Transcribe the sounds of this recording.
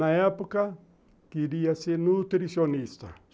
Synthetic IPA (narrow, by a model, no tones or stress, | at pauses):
najapuka | kiɾiasenut̪iɾisɔnista̰